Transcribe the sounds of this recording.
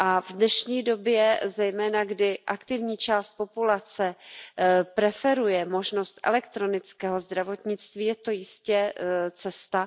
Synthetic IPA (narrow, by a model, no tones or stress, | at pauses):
ʔavdnɛʃɲiːdo̞bjɛzɛjmɛːnaɡdɪʔakt̪ɪvɲiːt͡ʃaːst̪̚po̞pulat͡sɛ | pɾɛfɛɾujɛmo̞ʒno̞st̪ʔɛ̰lɛkt̪ɾo̞nɪt͡skɛːɦo̞zd̪ɾavo̞t̪ɲɪt͡st̪viːjɛt̪o̞jɪscɛt͡sɛst̪a